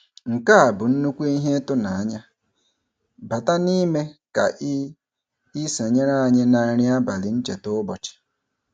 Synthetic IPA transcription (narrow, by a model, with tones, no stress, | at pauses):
ŋ̩˨ka˦a˨bʊ˨n̩˦nu˦kʷe˦i˦ɦe˦tʊ˦na˨a˦ɲa˦ | ba˨ta˦ni˦me˦ka̰˨ʔi˦ | i˦se˨ɲe˦ɾa˦a˨ɲe˦na˨ɾi˦a˦ba˨lɪ˨n̩˦t͡ʃe˨tʊ˦bɔ˨t͡ʃe̥˨